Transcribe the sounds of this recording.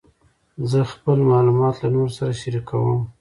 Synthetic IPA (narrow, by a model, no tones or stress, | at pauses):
zəxpəlmɑlumɑt̪lanoɾsaɾaʃaɾikʰawə̰m